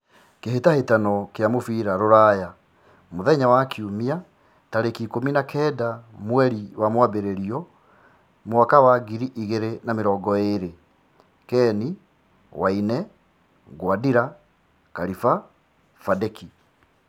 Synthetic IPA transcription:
keɦetahetanɔkeamofiːɾaɾoɾaːja | moðɛɲawakʰiumia | taɾekikominakʰɛːdamwɛɾiwamwabeɾeɾiɔ | moakawaɡiɾiʔiɣeɾenameɾɔːɡɔeɾe | kɛni | wainɛ | ɡwadiɾa | kaɾifa | fadɛki

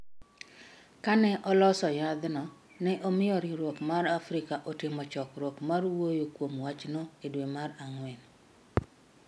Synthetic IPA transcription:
kanɛʔɔlɔsɔjad̪nɔ | nɛʔomɪjɔɾiɾwokmaɾafɾɪkaʔotɪmɔt͡ʃɔkɾokmarwojokwomwat͡ʃnɔedwemaraŋwɛn

